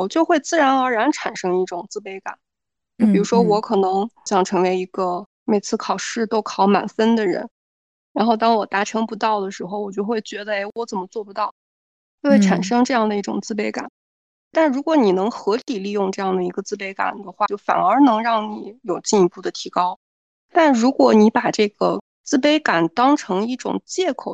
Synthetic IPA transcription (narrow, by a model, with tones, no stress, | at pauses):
wɔ˨˩t͡ɕjo˥˧ʊxwe˥˧ɪt͡sɹ̩˥˩ɻa˧˥nə˞˧˥ɻa˧˥nʈ͡ʂʰa˨˩nʂɤ˥ŋi˥˩ʈ͡ʂʊ˨˩ŋt͡sɹ̩˥˩pe˧˥ɪka̰˨˩˦n | t͡ɕo˥˩pi˨˩ɻu˧˥ʂwɔ˥wɔ˧˥kʰɤ˨˩nɤ˧˥ŋɕjɑ˥˩ŋʈ͡ʂʰɤ˧˥ŋwe˧˥ɪi˧˥ɡə˧ | me˨˩ɪt͡sʰɹ̩˥˩kʰɑ˨˩ʊʂɻ̩˥˩t̪o˥˩ʊkʰɑ˧˩˥ʊma̰˨˩nfə˥nd̪ə˨ɻə̰˧˥n | ɻa˧˥nxo˥˧ʊt̪ɑ˥ŋwɔ˨˩t̪a˧˥ʈ͡ʂʰɤ˧˥ŋpu˧˥t̪ɑ˥˩ʊd̪ə˩ʂɻ̩˧˥xo˧ʊwɔ˨˩t͡ɕjo˥˧ʊxwe˥˩ɪt͡ɕɥɛ˧˥d̪ə˧e˥˩ɪwɔ˧˥t͡sə˨˩nmə˦t͡swɔ˥˩pu˧t̪ɑ˥˩ʊ | t͡ɕjo˥˧xwe˥˩ʈ͡ʂʰa˨˩nʂɤ˥ŋʈ͡ʂɤ˥˧jɑ˥˩ŋd̪ə˩i˥˩ʈ͡ʂʊ̰˨˩ŋt͡sɹ̩˥˩pe˥ɪka̰˨˩˦n | t̪a˥˩nɻu˧˥kwɔ˧˥ni˨˩nɤ˧˥ŋxɤ˧˥t̪i˨˩li˥˧jʊ˥˧ŋʈ͡ʂɤ˥˧jɑ˥˩ŋd̪ə˩i˧˥ɡə˧t͡sɹ̩˥˧p̬e˥ɪka̰˨˩nd̪ə˦xwa˥˧t͡ɕjo˥˩ʊfa̰˨˩nə˞˧˥nɤ˧˥ŋɻɑ˥˩ŋni˨˩˦jo˨˩ʊt͡ɕi˥˧ni˧˥pu˥˩d̪ə˩t̪ʰi˧˥kɑ˥ʊ | t̪a˥˩nɻu˧˥kwɔ˨˩ni˧˥pa˨˩ʈ͡ʂɤ˥˩ɡə̰˩ | t͡sɹ̩˥˧p̬e˥ɪka˨˩nt̪ɑ˥ŋʈ͡ʂʰɤ˧˥ŋi˥˩ʈ͡ʂʊ̰˨˩ŋt͡ɕjɛ˥˩kʰo˨˩ʊ